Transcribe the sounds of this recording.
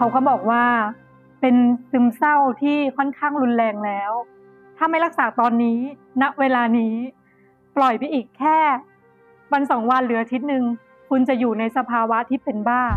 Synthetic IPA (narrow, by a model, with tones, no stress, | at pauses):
kʰa˦˥wkʰɔː˥˩bɔː˨˩k̚waː˥˩ | pe˧nsɯ˧msa˥˩wt̪ʰiː˥˩kʰɔ˥˩nkʰaː˥˩ŋɾu˧nlɛː˧ŋlɛː˦˥w | t̪ʰaː˥˩ma˥˩jɾa˦˥k̚saː˨˩˦t̪ɔː˧nːiː˦˥na˦˥ʔweː˧laː˧niː˦˥ | plɔ˨˩jpa˧jʔiː˨˩kʰːɛː˥˩ | wa˧nsɔː˩˦ŋwa˧nɾɯː˩˦ʔa˧t̪ʰi˦˥t̪̚nɯ˧ŋ | kʰu˧nt͡ɕa˨˩juː˨˩na˧jsa˧pʰaː˧wa˦˥t̪ʰiː˥˩pe˧nbaː˥˩ŋ